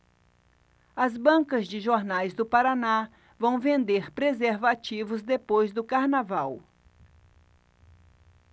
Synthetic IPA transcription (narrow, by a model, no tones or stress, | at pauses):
ɐzbɐ̃kɐzd͡ʒɪʒoɾnajzd̪ʊpaɾana | vɐ̃w̃vẽnd̪eɾpɾezeɾvat͡ʃivʊzd̪epojzd̪ʊkaɾnavaw